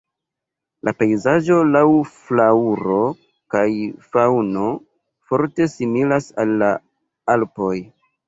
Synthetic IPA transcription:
lʔape̞jzaʒo̞lawflauɾo̞ | kajfawno̞ | fo̞ɾte̞similasalːa | alpo̞j

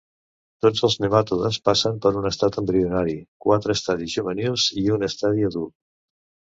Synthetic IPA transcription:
t̪od͡zəlˠznemat̪uðənspasəmpəɾunəst̪at̪əmbɾiunaɾikwat̪ɾəːst̪aðizʒuβənilˠziunəst̪aðiəðu

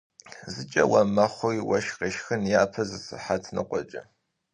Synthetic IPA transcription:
zɨt͡ʃʼɐ̰wɐmɐχʷʊjwɐʃqeʃxɨnjaːpʰɐzɨsɨħatʰnɨqʷɔt͡ʃʼɐ

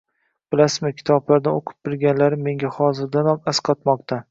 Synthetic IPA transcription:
b̥ɪlasɪzmɪkʲʰɪ̥t̪ʰɒblaɾd̪aoqʰɨ̥p̚bɪɾɡʲanlaɾɪmːe̞ŋɡʲahɒzɪɾd̪anɒmasqʰɒt̪mɒq̚t̪ʰa

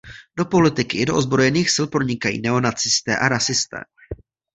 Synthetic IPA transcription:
d̥o̞po̞lɪt̪ɪkɪɪdo̞ʔozbɾo̞jɛniːxsɪlpɾo̞ɲɪkajḭːnɛo̞nat͡sɪst̪ɛ̰ːʔaɾasɪst̪ɛ̰ː

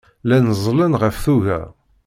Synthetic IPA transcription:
lænəzˤlənʁəfθuʝæ̰

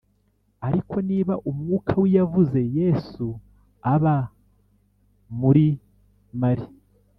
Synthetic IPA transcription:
aɾikʰo̞niːβaʔumŋuːkʰawijavuze̞je̞su | aβa | muɾi | maɾi

